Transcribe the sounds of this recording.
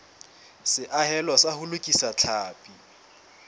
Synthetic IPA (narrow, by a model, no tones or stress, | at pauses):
sɪʔahɛlɔsahʊlʊkʼisat͡ɬʰaːpʼi